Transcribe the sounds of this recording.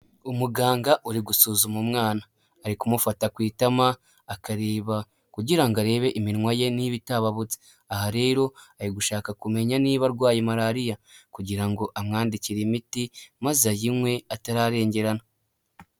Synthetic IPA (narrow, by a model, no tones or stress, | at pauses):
umuɡaːŋɡaʔuɾiɡusuːzumumŋaːnaː | ɾikumufatakwiːtamaː | kaɾeːβa | kuɟiɾaŋɡaɾe̞ːβe̞ʔiminŋwaje̞niβitaβaβut͡se̥ | ahaɾe̞ːɾo̞aɾiɡuʃaːkakume̞ɲaniːβaɾɡwaːjemaɾaːɾijakuɟiɾaŋɡo̞ʔamŋaːndiciɾimitimazajimwe̞ataɾaɾe̞ːɲɟe̞ɾana